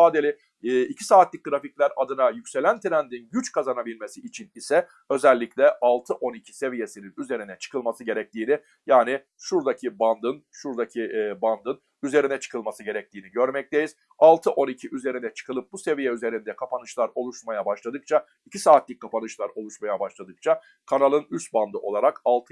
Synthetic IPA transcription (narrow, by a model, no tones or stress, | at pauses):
aːd̪elʲi | icʰisaːt̪lʲic̚ʲɡɾaficlʲæɾad̪ɯnajycʲse̞lʲænt̪ʰiɾænd̪inɟyt͡ʃkʰazanabilʲme̞siːt͡ʃʰinisɛ | ø̞zælʲːiclʲɛʔalˠt̪ʰɯʔo̞nicʰi̥se̞vije̞sininyze̞ɾinɛt͡ʃʰɯ̥kʰɯlˠmasɯɟe̞ɾɛc̚t̪iːni | jaːnɪ | ʃuɾd̪acʰiband̪ɯnʃuɾd̪acʰiband̪ɯn | yze̞ɾinɛt͡ʃʰɯ̥kʰɯlˠmasɯɟe̞ɾɛc̚t̪iːniɟø̞ɾmɛc̚t̪ʰe̞jiz̥ | alˠt̪ʰɯʔo̞nicʰiʔyze̞ɾinɛt͡ʃʰɯ̥kʰɯlˠɯp̚buse̞vijɛyze̞ɾind̪ɛkʰapʰanɯʃlˠaɾo̞lˠuʃmajabaʃlˠad̪ɯk̚t͡ʃʰa | icʰisaːt̪lʲicʲkʰːapanɯʃlˠaɾo̞lˠuʃmajabaʃlˠad̪ɯk̚t͡ʃʰa | kʰanalˠɯnyst̪̚band̪ɯʔo̞lˠaɾakalˠt̪ʰɯ